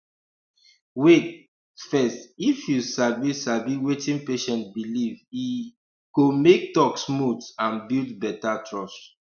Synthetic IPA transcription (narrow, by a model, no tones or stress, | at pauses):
wet | fɛstifjusavisaviwetĩnpeʃɛ̃ntbilivi | komek̚tɔksmutãnbildbɛtatʰɹɔs